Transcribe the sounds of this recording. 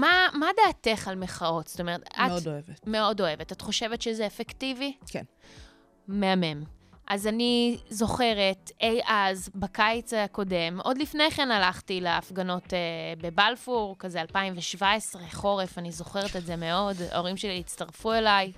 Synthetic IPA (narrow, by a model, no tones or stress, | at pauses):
mamadaːte̞χalmeχao̞tsto̞meʁet̪aodoevetme̞o̞do̞e̞vetat̪χoʃe̞vetʃezeːfektivikn | meame̞mʔazanizo̞χe̞ʁetejʔazbakajt͡saako̞de̞mʔo̞dlifne̞jχenalaχtileafɡano̞tebe̞balfuʁkazealpaimveʃvaesʁeχo̞ʁefanizo̞χeʁetetzeme̞o̞da̰o̞ʁimʃeliit͡staʁfue̞laj